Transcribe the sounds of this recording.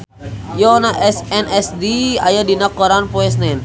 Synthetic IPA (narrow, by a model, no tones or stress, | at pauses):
jɔnaʔɛsɛnɛsdia̰jadinakɔɾanpɔɛs̬nɛn